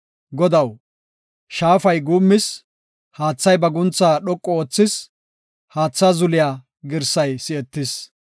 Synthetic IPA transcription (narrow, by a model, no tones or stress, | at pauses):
ɡɔd̪ɐw | ʃaːfɐjɡuːmːɪs | haːt͡sːɐjbɐɡʊnt͡sːaːɗɔkʼːɔoːt͡sːɪs | haːt͡sːaːzʊlɪjaː | ɡɪɾsɐjsɪɛt̪ːɪs